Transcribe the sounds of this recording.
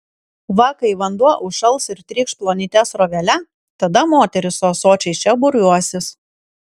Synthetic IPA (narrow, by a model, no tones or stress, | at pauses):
ʋɐkɐɪʋɐnd̪uɔʔʊʃɐlˠˑsɪɾt̪ʲɾʲiːkʃplˠoːnʲɪt̪ʲɛsɾoːʋʲɛlʲɛ | t̪ɐd̪ɐmoːt̪ʲɛɾʲɪsoːsoːt͡ʃʲɛɪt͡ʃʲɛbʊɾʲuɔsʲɪs